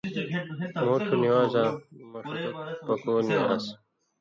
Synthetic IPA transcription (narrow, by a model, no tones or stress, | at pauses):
muːʈʰuniwaːzaːmɐʂtuk̚pɐkoːnia̰s